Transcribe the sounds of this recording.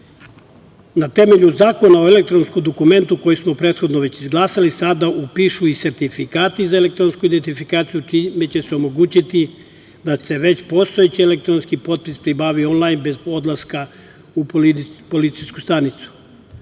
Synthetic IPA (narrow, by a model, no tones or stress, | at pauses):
nat̪e̞me̞ʎuzaːko̞nao̞ele̞k̚t̪ɾo̞nskomd̪okume̞nt̪uko̞jismo̞pɾe̞ːt̪xo̞d̪noʋe̞t͡ɕizɡlˠaːsalisad̪aʔupiːʃuise̞ɾt̪ifikaːt̪izaelek̚t̪ɾo̞nskuid̪ent̪ifikaːt̪sijut͡ʃimet͡ɕe̞seomo̞ɡuːt͡ɕit̪i | d̪ase̞ʋe̞t͡ɕpo̞st̪o̞et͡ɕiele̞kt̪ɾo̞nskipo̞t̪̚pispɾibaːʋio̞nlˠajnbe̞zo̞d̪lˠaska | uppo̞lit̪sijskust̪anit̪su̥